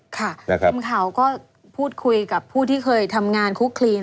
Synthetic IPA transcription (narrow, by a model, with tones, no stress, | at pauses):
kʰa˥˩˧mkʰa˩˦wkɔː˥˩ | pʰuː˥˩t̪̚kʰu˧jka˨˩pʰːuː˥˩t̪ʰiː˥˩kʰɤː˧jt̪ʰa˧mŋaː˧nkʰu˦˥kʰliː˧